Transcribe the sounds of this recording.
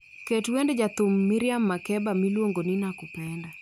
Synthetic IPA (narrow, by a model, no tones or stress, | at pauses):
ketwendd͡ʒat̪ʊmːiɾɪamːakɛbamilwoŋɡonɪnakupɛnda